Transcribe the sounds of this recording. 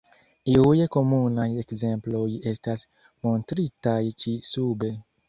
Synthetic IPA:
iujekomunajekzemplo̞je̞stas | montɾitajt͡ʃisube

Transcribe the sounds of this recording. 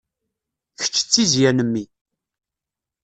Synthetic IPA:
çə̥t͡ʃːə̥t͡sːizjænəmːi

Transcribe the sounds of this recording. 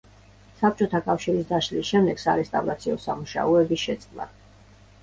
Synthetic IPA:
sap̚t͡ʃʼɔt̪ʰakʼafʃiɾisd̪aʃlisʃɛmd̪ɛɡ̥saɾɛst̪ʼavɾat̪sʰiɔsamuʃa̰ɔɛbiʃɛt̪sʼqʼlˠa̰

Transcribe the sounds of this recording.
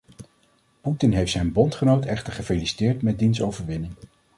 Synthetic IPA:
putɪnɦejftsɛjnbɔntχənowtɛχtəɹχəfelisi̥tɪːɹtmɛd̚dinsowvəɹʋɪnɪŋ

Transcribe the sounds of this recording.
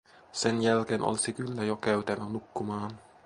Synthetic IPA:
senjælk̟eːnʔo̰lisikylːæjokæyt̪ænːænukːumɑːn

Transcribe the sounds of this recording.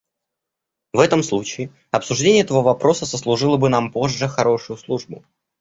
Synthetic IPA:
vɛt̪əmslˠut͡ɕɪː | ɐpsʊʐdʲenʲɪjɛt̪əvəvɐpɾo̞səzəslˠʊʐɨlˠəbɨnampo̞ʐːɨxɐɾo̞ʂʊjʊslˠuʐbʊ̰

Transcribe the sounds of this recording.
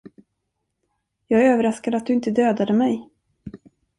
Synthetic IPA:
jɑːɡøːvəɾaskad̪əat̪̚d̪ɵɪnt̪əd̪øːd̪ad̪əmɛj

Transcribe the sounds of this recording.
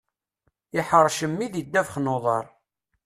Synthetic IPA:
ɪħəɾˤːʃəmːiðid̪ːævχnoðˤɑ̰ɾˤ

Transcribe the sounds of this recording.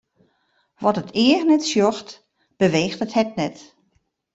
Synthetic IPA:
ʋɔtətɪərnɛtsjɔxt | b̥əʋeːxtəthɛt̚nɛt

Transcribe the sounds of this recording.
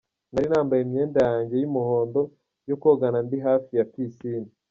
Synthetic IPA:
naɾinaːmbajemɲe̞ːndajaːɲɟe̞jimuho̞ːndo̞ | jokoɡanandiɦaːfijatisini

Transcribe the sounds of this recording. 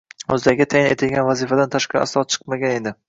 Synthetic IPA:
ɵzd̪aɡʲat̪ʰajɪne̞̰t̪ʰɪlɡʲanvazifad̪ant̪ʰaʃqɑa̰slˠɒt̪̚t͡ʃʰɨ̥qmaɡʲane̞d̪ɪ

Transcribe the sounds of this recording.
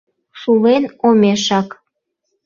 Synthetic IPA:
ʃulenomeʃɑk

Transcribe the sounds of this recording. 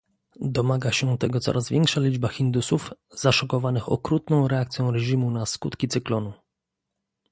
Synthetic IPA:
d̪ɔmaɡaɕɛt̪ɛɡɔt̪sɔ̰ɾʔazvʲjɛŋkʂalʲid͡ʐbaxʲind̪usufzaʂɔkɔvanɘxɔ̰kɾut̪nɔ̃w̃ɾɛakt̪sʲjɔ̃w̃ɾɛʑimunaskut̪kʲit̪sɘklɔnu

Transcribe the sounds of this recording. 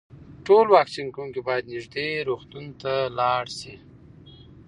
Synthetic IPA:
ʈolwɑksiŋkuŋkebɑjad̪nɪʒd̪eɾoxt̪unt̪alɑɽsi

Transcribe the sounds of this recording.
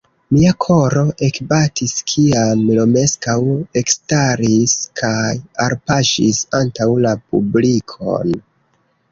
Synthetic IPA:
miakʰo̞ɾo̞ʔe̞kbatiskʰiamlo̞me̞skawe̞kstaɾiskʰajaɾpaʃḭsantawlap̚ṵblikʰo̞̰n

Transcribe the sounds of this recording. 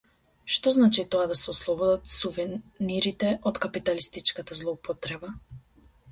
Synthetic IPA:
ʃt̪ɔznat͡ʃit̪ɔad̪asɛɔslˠɔbɔd̪at̪suvɛniɾit̪ɛʔɔt̪kapit̪alist̪it͡ʃkat̪azlˠɔupɔt̪ɾɛba

